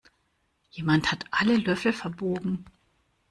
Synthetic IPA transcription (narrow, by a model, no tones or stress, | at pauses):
jeːmanthatʰʔaləlœfl̩fɛɐboːɡŋ̩